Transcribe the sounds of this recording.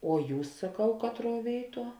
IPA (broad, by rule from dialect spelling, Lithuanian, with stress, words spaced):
oː ˈjuːs sɐˈkɐʊ ˈkɑːtˌruɔ ˈʋʲeːɪˌtuɔ